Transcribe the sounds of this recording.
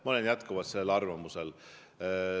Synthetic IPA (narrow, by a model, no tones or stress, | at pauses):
mɑolenjæt̪kuvɑd̪̥seːlɑrvɑmusel